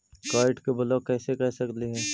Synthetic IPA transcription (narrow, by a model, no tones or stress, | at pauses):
kaːɪʈkebɐlɔːkːɛːsekɛɦsɐkliɦɛː